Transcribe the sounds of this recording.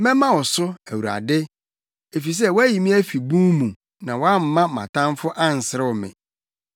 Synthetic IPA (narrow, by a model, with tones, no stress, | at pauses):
mɛ̃˦mã˦wɔ˨sʊ˦æ˨wu˨ɾa̰˨dɪ˦ | e˨fi˨s̬ɛ˦˨wɔ˦æ˦ji˨mĩ˦æ˦fi˨bũ˦mũ˨ | nã˨wɔ˦a˦m̩˨mã˦mã̰˨tʰã˦m˦fʊ˦ʔa˦n̩˨sɪ˨ɾɪ˦ʊ˨mɪ̰̃˨